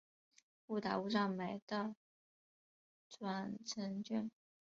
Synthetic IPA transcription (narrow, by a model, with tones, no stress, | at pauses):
u˥˩t̪a̰˨˥u˥˧ʂɑ˥˩ŋme˧˩˥ɪd̪̥ə˧ | t͡swa˨˩nt͡sʰə˧˥nt͡ɕy˥˩n